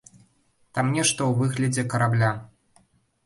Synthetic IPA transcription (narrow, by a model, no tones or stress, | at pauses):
t̪amnʲɛʂt̪ɐwvɨɣlʲɐd͡zʲɛkɐɾablʲa